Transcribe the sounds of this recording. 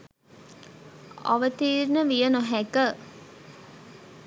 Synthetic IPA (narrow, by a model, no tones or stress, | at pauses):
ɔ̰ʋət̪iːɾnəʋijənoɦɛkə